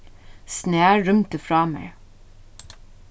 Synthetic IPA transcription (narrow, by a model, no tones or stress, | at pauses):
snæːɹʏmt̪əfɾɑːmə̰ɹ